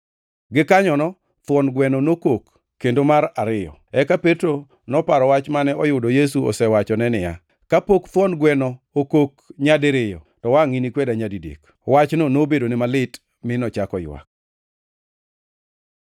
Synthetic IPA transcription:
ɡɪkaɲɔnɔ | t̪wɔnɡwɛnɔnokokː | endomaɾaɾɪjɔ̰ɛkapetɾo | nɔpaɾɔwat͡ʃmanɛɔjʊdɔjes̬uɔ̰sɛwat͡ʃɔnɛnɪja̰ | kapokt̪wɔnɡwɛnɔ | okokɲadɪɾɪjɔ̰ | tɔwaŋinikwedaɲadidḛk | wat͡ʃnonobedonɪmalɪt | mɪnɔt͡ʃakɔjwa̰k̚

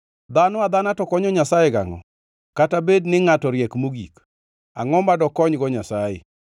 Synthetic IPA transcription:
d̪anʊad̪anatɔkɔɲɔɲasajɛɡa̰ŋɔ̰ | katabednɪŋatɔɾjekmuɡḭk | a̰ŋɔmbadɔkɔɲɡɔɲasajɪ̰

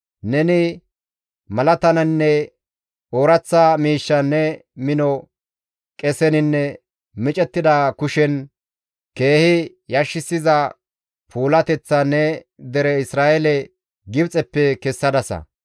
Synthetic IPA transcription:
nɛnɪ | mɐlɐt̪ɐnɐnːɛ | oːɾɐt͡sːamiːʃːɐnːɛmɪnɔ | kʼɛsɛnɪnːɛ | mɪt͡ʃʼɛt̪ːɪd̪akʊʃɛn | ke̞ːhɪ | jɐʃːɪsɪzɐ | pʰuːlɐt̪ɛt͡sːɐnːɛ | d̪ɛɾɛɪsɾaːʔɛlɛ | ɡɪbt͡sʼɛpːɛkɛsːɐd̪ɐsɐ̰

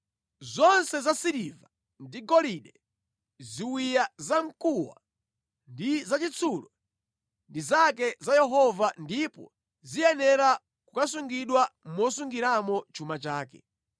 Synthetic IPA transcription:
zɔnsɛzasiɾiva | ndiɡɔliɗɛ | ziwijazam̩kuwa̰ | ndizat͡ʃit͡sʰulɔ | ndizak̬ɛzajɛɦɔvandipɔ̰ | zijɛnɛɾa | kukasuŋɡiɗwamɔsuŋɡiɾamɔt͡ʃʰumat͡ʃaːkɛ̰

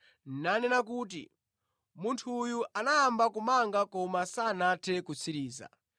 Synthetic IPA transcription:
nanɛnakuːt̬ḭ | muntʰujuʔanajambakumaŋɡakɔmasaːnatʰɛkut͡sʰiɾiːza̰

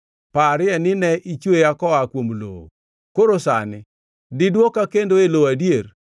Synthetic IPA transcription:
paɾɪɛnɪnɛʔit͡ʃwejakɔakwomlo̰o̰ | koɾosa̰nɪ | dɪdwokakendoeloadjeɾ

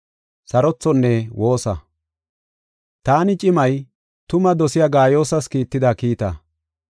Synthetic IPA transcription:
sɐɾɔt͡sːɔnːɛwʔo̞ːsɐ | t̪aːnɪt͡ʃʼɪmɐj | t̪ʊmɐd̪ɔsɪjaɡaːjo̞ːsɐskiːt̪ːɪd̪akiːt̪ɐ

